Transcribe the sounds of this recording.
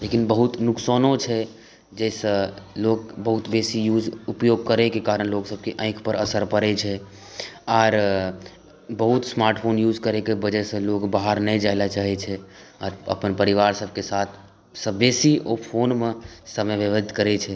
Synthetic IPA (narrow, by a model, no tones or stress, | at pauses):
lekinbəɦut̪nuksonõt͡ʃʰɛ | d͡ʒɛsə̃lokbəɦut̪besijud͡ʒupjoɡ̚kəɾekekaɾənloksəb̚keʔə̃ɪ̃kʰpəɾəsəɾpəɾɛt͡ʃʰɛ | aːɾ | bəɦut̪smaɾʈpʰonjud͡ʒkəɾekebəd͡ʒɛsə̃lokbaɦəɾnɛid͡ʒaɪlat͡ʃaɦɛt͡ʃʰɛ | aːɾə̰pənpəɾiʋaɾsəb̚ʱkesat̪ʰ | səbesiopʰonmẽsəmeʋeʋət̪kəɾɛt͡ʃʰɛ